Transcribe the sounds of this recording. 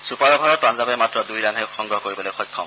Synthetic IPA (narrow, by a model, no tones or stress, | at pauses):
supaɹɔbʱaɹɔt̚anzabɛmatɹɔdujɹanɦɛxɔŋɡɹɔɦɔkoɹibɔlojxɔjkʰːɔm